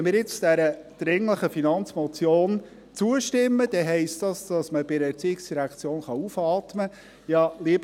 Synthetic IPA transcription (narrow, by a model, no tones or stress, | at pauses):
ɛnmɪːɾjɪt͡sd̥æɾəd̥ɾɪŋləχəfinɑnt͡smɔt͡sjoːn | t͡suəʃtɪmːəd̥ɛɦɛɪstd̥ɑsd̥ɑsməb̥ɪɾəɛɾt͡siːɪksd̥iɾækʰt͡sjoːnχɑufɑːt̪mə | jɑliəb